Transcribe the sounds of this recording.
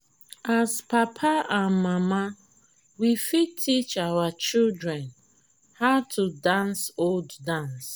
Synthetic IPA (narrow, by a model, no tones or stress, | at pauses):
azpapʰaãnmama | wifitʰit͡ʃawat͡ʃildɹɛ̃n | haʊtʰudãnsolddãns